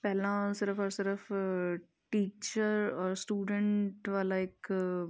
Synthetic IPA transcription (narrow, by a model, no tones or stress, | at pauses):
pɛɦlãsɪɾəfɔːɾsɪɾəf | ʈiːt͡ʃəɾɔːɾsʈuːɖə̃ɳʈʋaːlaeːk